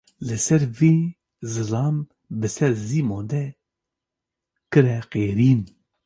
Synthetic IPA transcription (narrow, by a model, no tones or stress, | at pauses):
lɨsɛɾveː | zɨlɑːm | bɨsɛɾziːmoːnd̪ɛ | kɨɾɛqeːɾiːn